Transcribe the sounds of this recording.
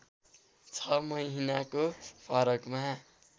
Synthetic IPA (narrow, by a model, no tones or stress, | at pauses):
t͡sʰʌmʌjɦinakopʰʌɾʌkma